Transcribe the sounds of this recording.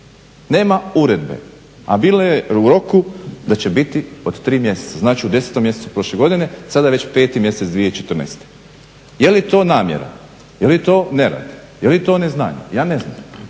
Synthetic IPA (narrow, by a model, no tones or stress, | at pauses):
ne̞ːmauɾe̞d̪be̞̰ | abiːlojeuɾo̞kud̪at͡ɕe̞bit̪io̞d̪t̪ɾiːmje̞set̪aznaːt͡ʃiud̪e̞set̪omje̞set̪upɾo̞ʃleɡo̞d̪ine̞sad̪aeʋet͡ɕpeːt̪imje̞set̪sd̪ʋijeit͡ʃet̪r̩nḛst̪e̥ | je̞lit̪o̞ːnaːmjḛɾa̰ | jelit̪o̞ːne̞ɾa̰ːd̪ | jelit̪o̞ːnezna̰ːɲḛjaːne̞zna̰m